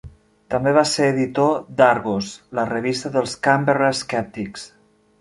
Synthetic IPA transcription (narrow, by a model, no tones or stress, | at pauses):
t̪əmbeβaseɾəðit̪od̪aɾɣoslərəβist̪əðəlˠskambərəskɛp̚t̪iks